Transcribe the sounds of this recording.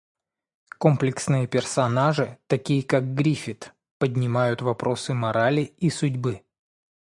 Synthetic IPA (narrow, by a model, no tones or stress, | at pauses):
ko̞mplʲɪksnɨjəpʲɪrsɐnaʐɨt̪ɐkʲijəkaɡ̚ɡɾʲifʲɪt̪ | pədʲnʲɪmajʊt̪vɐpɾo̞sɨmɐɾalʲiisʊdʲbɨ